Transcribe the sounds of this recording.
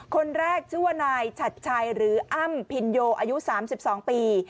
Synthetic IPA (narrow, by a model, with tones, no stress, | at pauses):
kʰo˧nɾɛː˥˩k̚t͡ɕʰu˥˩ɐ˨naː˧jt͡ɕʰa˨˩t̪̚t͡ɕʰa˧jɾɯː˩˦ʔa˥˩mpʰi˧njoː˧ʔaː˧ju˦˥saː˩˦msi˨˩p̚sɔː˩˦ŋpiː˧